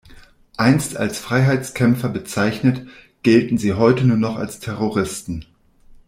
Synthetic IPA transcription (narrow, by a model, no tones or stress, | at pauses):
ʔaɪnstʰa̰lsfʁ̥aɪɦaɪt͡skʰɛmfɐbət͡saɪçnət | ɡ̥ɛltn̩ziːɦɔʏtənuːɐnɔχa̰lstʰɛʁoʁɪstn̩